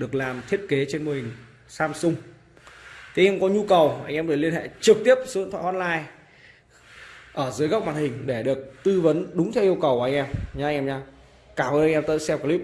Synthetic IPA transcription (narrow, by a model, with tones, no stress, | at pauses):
ɗɨ˨˩ək̚laː˨˩mt̪ʰi˦˥ət̚ke˨˦t͡ɕe˧nmo˧˩hï˨˩ŋ̟ | saː˧msʊ˧ŋ͡m | t̪ʰɲɛ˧mkɔ˨˦ɲu˧kə˨˩wʔa˧˩ŋ̟ʔɛ˧mɗɨ˨˩li˧ənhḛ˧˨t͡ɕɨ˨˩k̚t̪i˦˥əp̚st̪ʰw̰aː˧˨hɔ˧˥n̚laː˧j | ʔəː˧˩zɨ˨˦jkə˦˥waː˨˩nhï˨˩ŋ̟ɗe˧˩ɗɨ˨˩ək̚t̪ɨ˧və˨˦nɗʊ˨˦ŋ͡mt̪ʰɛ˧wʔi˧əwkə˨˩wʔʔa˧jŋ̟ʔɛ˧mɲa˧˥˧ŋʔɛ˧mɲaː˧ | kaː˧˩mʔəː˧nʔjŋʔɛː˧mt̪ə̰ː˧˨sɛ˧wkːli˦˥p̚